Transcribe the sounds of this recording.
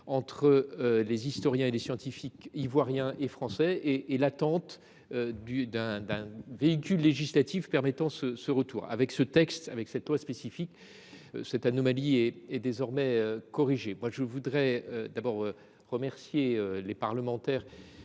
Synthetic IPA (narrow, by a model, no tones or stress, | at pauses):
ɑ̃t̪χəølezist̪ɔʁjɛ̃elesjɑ̃t̪ifikivwaʁjɛ̃ʔefχɑ̃sɛeːlat̪ɑ̃t̪ | ød̪yd̪ɛ̃d̪ɛ̃veikʲylːeʒislat̪ifpɛʁmɛt̪ɑ̃səsəʁət̪uːʁa̰vɛksət̪ɛkst̪avɛksɛt̪lwaspesifik | ø̰sɛt̪anɔmaliɛɛd̪ezɔʁmɛøkɔʁiʒemwaʒəvud̪ʁɛød̪abɔʁ | ʁəmɛʁsjeølepaʁləmɑ̃t̪ɛːʁ